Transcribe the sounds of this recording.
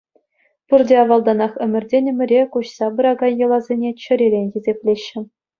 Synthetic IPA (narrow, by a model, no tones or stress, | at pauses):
purdʲeɑʋɑlˠd̪ɑnɑχɘ̆mʲɘ̆rʲdʲenʲɘ̆mʲɘ̆ɾʲekuɕsɑbɯ̆ɾɑɡɑnʲjɤ̆lˠɑzʲenʲet͡ɕɘ̆ɾʲeɾʲenʲxʲezʲepʲlʲeɕːɘ̆